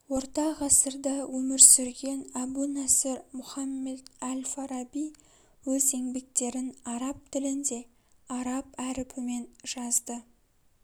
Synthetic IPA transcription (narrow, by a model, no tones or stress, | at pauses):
wo̞ɾt̪ɑʁɑsəɾd̪əwɵmɪɾsʏɾɡʲe̞næbunæsɪɾmʊχɑmːe̞d̪ælʲfaɾɑbij | wɵze̞ŋbe̞k̚t̪e̞ɾɪnɑɾɑp̚t̪ʰɪlɪnd̪e̞ | ɑɾɑpæɾɪpʰɪme̞nʒ̥ɑzd̪ə